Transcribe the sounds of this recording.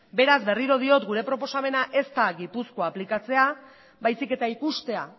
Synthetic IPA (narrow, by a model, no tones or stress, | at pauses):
be̞ɾazbe̞riɾo̞ð̞io̞t̪ɡuɾe̞pɾo̞po̞same̞naʔe̞st̪aɣipusko̞aplikat͡se̞a | bajsike̞t̪aikust̪e̞a̰